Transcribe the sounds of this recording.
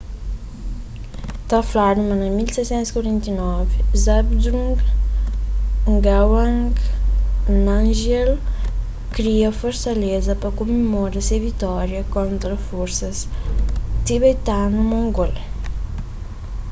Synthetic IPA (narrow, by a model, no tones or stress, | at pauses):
t̪ɐflaɾumɐ̃nɐmilsɛsɛ̃nt̪uskwɐɾɛ̃nt̪inɔvzabd̪ɾũŋɡ | ŋɡawãŋɡ | nãnʒɛl | kɾiɐfoɾsɐlezɐpɐkomemoɾɐsevit̪ɔɾjɐkõnt̪ɾɐfoɾsɐs | t̪iβet̪anumõŋɡol